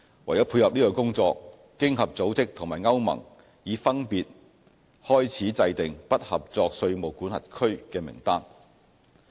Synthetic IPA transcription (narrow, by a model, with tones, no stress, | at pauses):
wɐ˨˩jɐ˨˥pʰuː˧hɐ˨p̚niː˥kɔ˧kʊ˥ŋt͡sɔː˧kː | ɪ˥ŋɦɐ˨p̚t͡so˨˥wt͡sɪ˥k̚t̪ʰŋmaː˨˩jŋɐ˥wmɐ̰˨˩ŋ | jiː˨˥fɐ˥npiː˨t̚ | hɔː˥jt͡sʰiː˨˥t͡sɐ˧jt̪ɪ˨ŋpɐ˥t̚hɐ˨p̚t͡sɔː˧k̚sɵ˧ɥmo˨˩wkuː˨˥nhɐ̰˨t̚kʰɵ˥ɥkɛː˧mɪ̰˨˩ŋt̪aː˥n